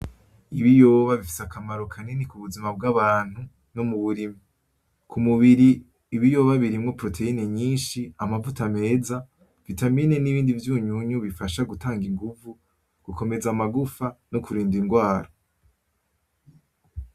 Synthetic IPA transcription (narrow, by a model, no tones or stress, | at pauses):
iβijoːβaβifi̥sakʰamaɾo̞kʰanenikuβuzimab̚ɡaβaːn̥hu | no̞muβuɾimi | kʰumuβiɾiː | βijo̞ːβaβiɾimŋo̞pɾo̞tʰe̞ine̞ɲiːnʃiamavutame̞ːza | vitamine̞niβiːndivjuːɲuɲuβifaʃaɡutaːŋɡiŋɡuvu | ɡ̥uko̞me̞zamaɡufano̞kuɾiːndiŋɡwaːɾo